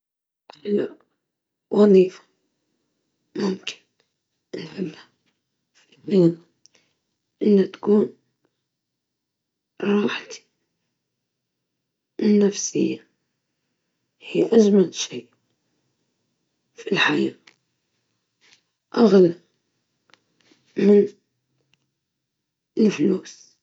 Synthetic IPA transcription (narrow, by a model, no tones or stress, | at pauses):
ħla | wʔɑðˤiːfḁ | mʊmkɪ̥n | ɪlħɪbha | finːɪːna | ʔɪnːat̪ḁkuːn | ɾˤɑːħt̪i̥ | ɪnːafsɪjːa | hiːʔad͡ʒmalʃiːʔ | filħajaː | ʔaɣla | mɪn | ɪlfluːs